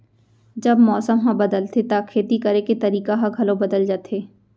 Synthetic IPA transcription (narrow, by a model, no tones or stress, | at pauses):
d͡ʒɐbmɔːsəmɦãbɐd̪əlt̪ʰet̪akʰeːt̪ikɐɾeket̪ɐɾiːkaɦãɡʱɐlõbɐd̪əld͡ʒaːt̪ʰeː